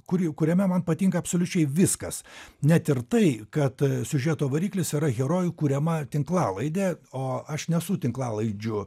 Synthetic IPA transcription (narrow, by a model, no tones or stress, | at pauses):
kʊɾʲɪkʊɾʲɛmʲɛmɐnpɐt̪ʲiːŋkɐːpsoːlʲʊt͡ʃʲɛɪʋʲɪskɐsnʲɛt̪ɪɾt̪ɐɪkɐt̪sʲʊʒʲɛt̪oːʋɐɾʲiːklʲɪsiɾɐɣʲɛɾoːjukuːɾʲɛmɐt̪ʲɪŋklˠɑːlˠɐɪd̪ʲeːoːɐʃnʲɛsʊt̪ʲɪŋklˠɑːlˠɐɪd͡ʒʲʊ